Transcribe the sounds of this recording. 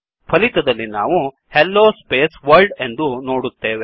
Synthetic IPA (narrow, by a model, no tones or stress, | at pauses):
pʰɐlit̪ɐd̪ɐlːina̰ːʋu | helːoːspeːsʋɐɾlɖe̞nd̪uno̞ːɽut̪ːeːʋe